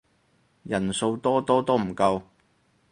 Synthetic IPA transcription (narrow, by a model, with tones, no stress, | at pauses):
jɐ˨˩nso˧wt̪ɔː˥t̪ɔː˥t̪ɔː˥m̩˨˩kɐ˧w